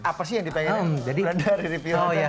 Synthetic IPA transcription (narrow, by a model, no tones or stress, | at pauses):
apas̬ɪjaŋdipaɲamd͡ʒadiladaɾiɾipiojja